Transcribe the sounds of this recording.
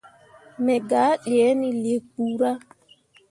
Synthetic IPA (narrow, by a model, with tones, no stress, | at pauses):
mɛ˨ɡa˨˦ɗi˨ɛ˨˦ni˨le˨k̚ːu˦ɾa˦